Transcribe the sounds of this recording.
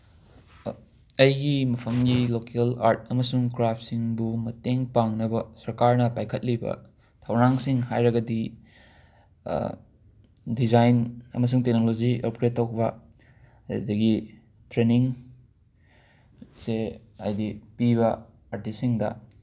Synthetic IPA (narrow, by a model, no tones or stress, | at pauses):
ɐjɡimɐpʰɐmɡilokelaɾt̚ɐmɐsuŋkɾap̚ʰsiŋbumɐteŋpaŋnɐbɐsɐɾkaɾnɐpajkʰɐt̚libɐ̰ | tʰɐwɾaŋsiŋhajɾɐɡɐdi | dizajnɐ̰mɐs̬uŋtek̚nolod͡ʒiɐ̰p̚kɾetːok̚bɐ | dɐɡi | tɾeniŋ | se | a̰jdipiβɐ | aɾtisiŋdɐ̰